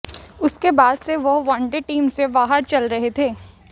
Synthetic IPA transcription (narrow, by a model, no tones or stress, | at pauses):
ʊskebaːd̪seʋoʋãːɳɖeʈiːmsebaːɦəɾt͡ʃɐlɾɐɦet̪ʰeː